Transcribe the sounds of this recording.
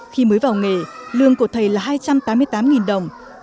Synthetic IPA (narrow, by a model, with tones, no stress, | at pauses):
xi˧məː˨˦jvaː˨˩wŋe˧˩lɨ˧˨əŋku˧˩ət̪ʰə˨˩jlaː˨˩ɦhaː˧jt͡ɕa˧mt̪aː˨˦mɨ˧əjt̪aː˨˦mŋi˨˩nɗə˨˩wŋ͡m